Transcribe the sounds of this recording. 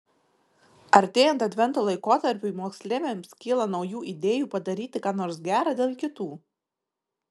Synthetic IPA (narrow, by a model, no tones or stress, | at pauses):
ɐɾʲt̪ʲeːjɛnt̪ɐt̪ʲʋʲɛnt̪oːlˠɐɪkoːt̪ɐɾʲpʲʊmoːksʲlʲeːʋʲeːmskʲɪːlˠɐnɒʊjuːʔid̪ʲeːjuːpɐd̪ɐɾʲiːt̪ʲɪkɑːnoːɾsɡʲæːɾɑːd̪ʲeːlˠkʲɪt̪uː